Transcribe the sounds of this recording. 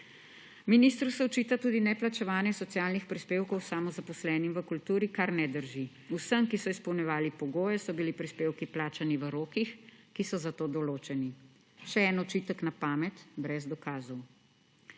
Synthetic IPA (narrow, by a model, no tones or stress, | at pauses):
minist̪ɾusɛɔt͡ʃiːt̪at̪uːd̪inɛplat͡ʃɛʋaːnjɛsɔt̪sijaːlnixpɾispeːwkɔwsamɔzapɔslɛːnimʋəkult̪uːɾikaɾnɛd̪əɾʒi | usəmkisɔispɔwnjɛʋaːlipɔɡoːjɛsɔbilipɾispeːwkiplaːt͡ʃaniʋəɾoːkixkisɔzat̪oːd̪ɔloːt͡ʃɛni | ʃɛɛːnɔt͡ʃit̪əknapaːmɛt̪bɾɛzd̪ɔkaːzɔw